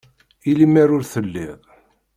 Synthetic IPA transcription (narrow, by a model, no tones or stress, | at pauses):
ilimaɾʊɾθəlːiðˤ